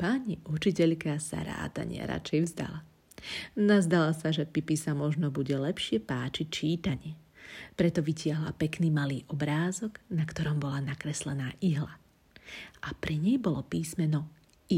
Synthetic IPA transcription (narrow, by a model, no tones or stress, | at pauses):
paɲiʔut͡ʃicɛʎkasa̰ɾa̰ːt̪a̰ɲɪɛ̰ɾa̰t͡ʃɛjvzd̪a̰la | nazd̪alasaʒɛpipisamɔʒnɔbuɟɛlɛpʃɪɛpaːt͡ʃic̚t͡ʃiːt̪aɲɪɛpɾɛt̪ɔʋicɪaɦla̰pɛkniːmaliːʔɔbɾaːzɔɡnakt̪ɔɾɔmbɔlanakɾɛslɛnaːʔiɦla | ʔapɾɛɲɛjbɔlɔpiːsmɛnɔ | i